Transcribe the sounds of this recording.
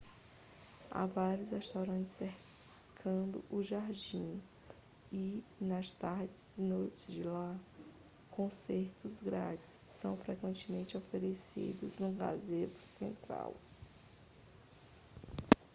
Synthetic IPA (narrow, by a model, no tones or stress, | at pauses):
a̰vaɾjʊshest̪awɾɐ̃nt͡ʃɪ̥seɾ | kʰɐ̃d̪ʊ̰ʔʊʒaɾd͡ʒĩ | ɪnɐst̪aɾd͡ʒɪznojt͡ʃɪd͡ʒɪla | kõseɾt̪ʊzɡɾa̰d͡ʒɪssɐ̃w̃fɾɛkwẽnt͡ʃɪmẽnt͡ʃɪofeɾesḭd̪ʊznʊɡa̰zet̪ʊ̥sḛ̃nt̪ɾa̰w